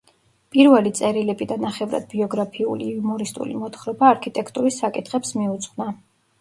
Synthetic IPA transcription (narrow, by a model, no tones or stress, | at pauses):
pʼiɾvɛlit̪sʼɛɾilɛbid̪anaχɛvɾa̰d̪̥̚biɔɡɾapʰiṵlḭumɔɾist̪ʼṵlḭmɔt̪ʰχɾɔbaːɾkʰit̪ʼɛkʰt̪ʼuɾisːakʼit̪ʰχɛpsmiut̪sʼχʼna